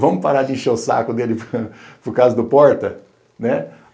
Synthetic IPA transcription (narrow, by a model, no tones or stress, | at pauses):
vɐ̃mʊpaɾadĩʃɐʊsa̰kʊd̪elɪpʊɾkazɐd̪ʊpɔɾt̪ɐ | nɛ